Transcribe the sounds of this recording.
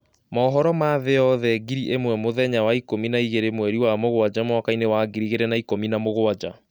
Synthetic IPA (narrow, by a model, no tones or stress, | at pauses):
mɔːɦɔɾɔmaðeɔðɛɡiɾiʔemwɛmoðɛɲawaikominaiɣeɾemwɛɾiwamoɣwad͡ʑamwakainewaɡiɾiɣeɾɛnaikominamoɣwad͡ʑa